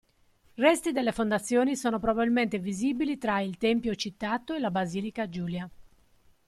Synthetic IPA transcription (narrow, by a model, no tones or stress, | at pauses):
rɛst̪id̪elːefond̪at̪sːjoːnisoːnopɾobabilment̪eviziːbilit̪ɾailt̪ɛmpjot͡ʃit̪ːat̪ːoelabaziːlikad͡ʒuːlja